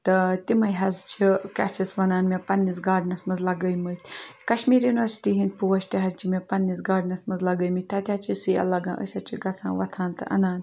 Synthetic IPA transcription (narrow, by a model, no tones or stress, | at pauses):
t̪ɐt̪imɐjɦɐzt͡ʃʰikʲat͡ʃʰisʋɐnaːnmepɐnːisɡaːɖnɐsmɐzlɐɡəjmət̪ʲʰkɐʃmiːɾjunʲʋɐɾsi̥ʈiɦin̚ʲpuʋɐst̪iɦɐzt͡ʃʰimepɐnːisɡaːɖnɐsmɐzlɐɡəjmɨt̪ʰɐt̪ʲaːt͡ʃʰisijɐ̰lɐɡã̰ːʔə̰sʲat͡ʃʰiɡɐt͡sʰã̰ːʋɐt̪ʰaːnt̪ɨ̰ʔɐ̰naːn